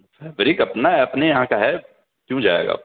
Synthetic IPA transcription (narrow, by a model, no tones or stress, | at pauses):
fɛːbɾikɐpnaɦɛɐpnejɐɦãkaɦɛ | kjõːd͡ʒa̰ːḛːɡa̰ː